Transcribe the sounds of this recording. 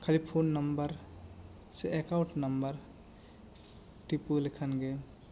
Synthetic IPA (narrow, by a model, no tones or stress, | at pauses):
kʰalipʰonːɐmbəɾ | seekawʈnɐmbəɾ | ʈipulekʰənɡe